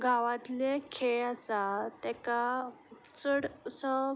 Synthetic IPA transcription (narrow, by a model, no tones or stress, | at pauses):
ɡʱaʋãt̪lekʰeɭasat̪ɛka | t͡səɽsə